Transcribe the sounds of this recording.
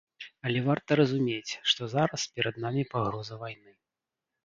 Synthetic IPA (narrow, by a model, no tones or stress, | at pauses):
ɐlʲɛvart̪ɐɾɐzumʲet͡sʲʂt̪ɔzaɾɐspʲɛɾɐd̪namʲipaɣɾɔzɐvajnɨ